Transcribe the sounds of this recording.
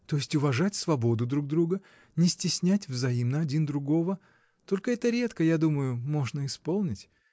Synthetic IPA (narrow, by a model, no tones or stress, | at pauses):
t̪o̞jɪsʲtʲʊvɐʐatʲsvɐbo̞d̪ʊd̪ɾuɡ̚d̪ɾuɡə | nʲɪsʲtʲɪsʲnʲætʲvzɐimnəɐdʲind̪ɾʊɡo̞və | t̪o̞lʲkəɛt̪əɾʲe̞t̪kəjad̪uməjʊmo̞ʐnəɪspo̞lˠnʲɪtʲ